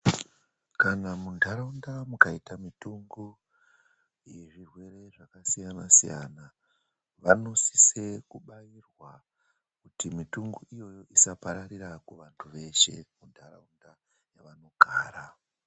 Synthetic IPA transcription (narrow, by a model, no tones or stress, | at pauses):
kanamundʱaɾaundamukaitamituŋɡo | ije̞ʐirwe̞ɾe̞ʐakasijanasija̰na | ʋano̞si̥se̞kuɓairwa | kutimituŋɡoʔijo̞jo̞ʔisapaɾaɾiɾakuʋantʰuʋe̞ʃe̞̰mundʱara̰unda | jaʋano̞ɡʱaːɾa